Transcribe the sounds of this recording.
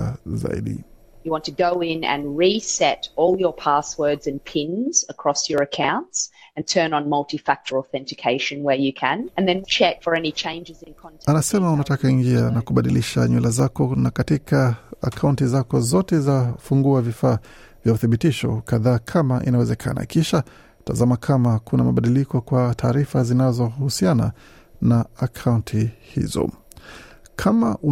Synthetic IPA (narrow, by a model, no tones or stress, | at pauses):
za̰ḭɗḭ | jɨwɑ̃ntʰɨɡoʊɪ̃nɨ̰̃nɹisɛɾɔlˠjə˞pʰæswɜ˞dzɨ̃npʰɪ̃nz̥əkʰɹ̥ɔsjə˞ɨkʰãʊ̃ntsɨ̃ntʰɜ̃˞nə̃nmʌlˠtifæk̚t͡ʃə˞lˠɔθɛ̃ntɨkʰeɪʃɨ̃nwə˞jɨkʰɨ̃nɨ̃nðɨ̃nt͡ʃʰɛkfə˞ɛnit͡ʃʰẽɪ̃nd͡ʒɨzɨ̃nkʰɑ̃ntanasɛmaunatakaiŋɡianakuɓaɗiliʃaɲulazakɔnakatikaa̰kʰauntizakɔzɔtɛzafuŋɡuavifaː | vjauθiɓitiʃɔ̰kaðaːkʰamaʔḭnawɛzɛkʰa̰na̰kiʃa | tazamakʰamakunamaɓaɗilikɔkwatʰaːɾifazinazɔhusiana̰ | naakʰauntʰihḭzɔ̰ | kʰamaʔu